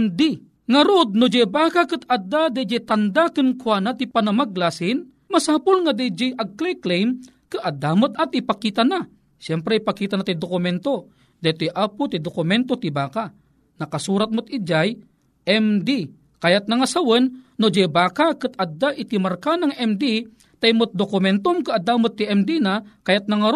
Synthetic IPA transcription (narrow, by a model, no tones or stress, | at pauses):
md̪i | ŋɐɾod̪̚nod͡ʒɛbaːkakɨt̪ɐd̪ad̪ɛd͡ʒɛt̪ɐnd̪akɨnkwanat̪ipanɐmaɡlasin | mɐsaːpʊlŋad̪id͡ʒɛjʔɐɡ̚klɛjklejm | kɨʔɐd̪ːamʊt̪ɐt̪ipakiːt̪ana | ʃɛmpɾɛipakiːt̪anat̪id̪okʊmɛnt̪o | d̪ɛt̪ojʔapʊt̪id̪okʊmɛnt̪ot̪ibaːka | nɐkɐsuːɾat̪̚mot̪̚id͡ʒaj | ʔɛmd̪i | kajat̪̚nɐŋɐsawənːod͡ʒɛjbaːkakɨt̪ɐd̪ːaʔit̪imaɾkanɐŋɛmd̪i | t̪ɐjmot̪̚d̪okʊmɛnt̪omkɨad̪aːmot̪ːiɛmd̪inakajat̪̚nɐŋɐɾ